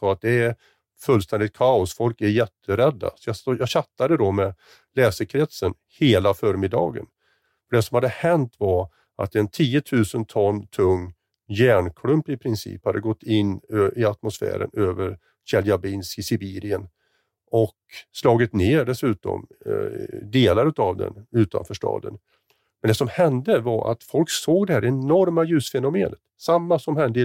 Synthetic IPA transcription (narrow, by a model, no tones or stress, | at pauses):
ɔat̪̚d̪ɛæɾ | fɵlːst̪ɛnd̪ɪt̪̚kʰaʊsfɔlkæɾjɛt̪ːəɾɛd̪ːa̰sɔjɑsjɑːɕat̪ːad̪əd̪ɔmɛ | lɛːsəɾkʰɾɛt̪sən | heːlafœːɾmɪd̪ɑ̰ːɡə̰n | fœɖɛsɔmhad̪ːəhɛnt̪vaɾ | ʔa̰t̪ɛnt̪ʰiːət̪ʰʉ̟ːsənt̪ʰɔnːt̪ʰɵŋː | jæːɳkʰlɵmpɪpʰɾɪnsḭːphad̪ːəɡɔt̪ːɪnːøɪat̪mʊsfæ̰ːɾə̰nøːvəɾ | ɕɛljabɪnskɪsɪbiːɾɪən | ɔkslɑːɡɪt̪neːɖɛsʉ̟ːt̪ɔ̰m | d̪eːlaɾʉ̟ːt̪avd̪ɛ̰nʉ̟ːt̪a̰nfœːʂʈɑ̰ːd̪ə̰n | mɛnd̪ɛsɔmhɛnd̪əvaɾʔa̰t̪fɔlksoːɡd̪ɛhæːɾɛnɔɾmajʉ̟ːsfɛnʊmeːnət̪samːasɔmhɛnd̪ə